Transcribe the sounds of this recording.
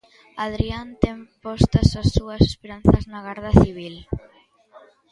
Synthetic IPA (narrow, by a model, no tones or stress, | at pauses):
aðɾiant̪ɛŋpɔst̪ɐsasːuɐse̥speɾanθɐznɐɣaɾðɐθiβ̞il